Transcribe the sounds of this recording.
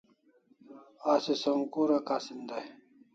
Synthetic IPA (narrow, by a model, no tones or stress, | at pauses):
aːsisɐŋkuːɾɐkaːsind̪aj